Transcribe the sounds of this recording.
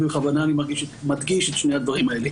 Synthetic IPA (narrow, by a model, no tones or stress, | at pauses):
beχavanaːnimaʁɡiʃetmat̪ɡiʃet̪ʃnead̪vaʁimae̞le